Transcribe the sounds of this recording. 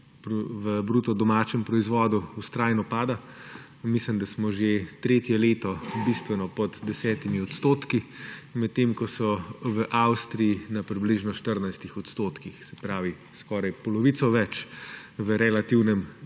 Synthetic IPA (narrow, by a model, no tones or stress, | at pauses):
pɾʋəbɾut̪ɔd̪ɔmaːt͡ʃɛmpɾɔizʋɔd̪uust̪ɾaːjnɔpaːd̪a | mislimd̪asmɔʒet̪ɾeːt̪jɛleːt̪ɔbist̪ʋɛnɔpɔd̪d̪ɛsɛːt̪imiɔt̪st̪oːt̪kimɛt̪ːemkɔsɔʋəʔawst̪ɾijinapɾibliʒnɔʃt̪əɾnajst̪ixɔt̪st̪oːt̪kixsɛ̥pɾaːʋi | skɔːɾajpɔlɔʋit̪sɔʋɛt͡ʃʋəɾɛlat̪iwnɛm